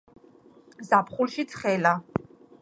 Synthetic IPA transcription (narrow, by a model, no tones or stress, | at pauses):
zapʰχulʃit̪sʰχɛla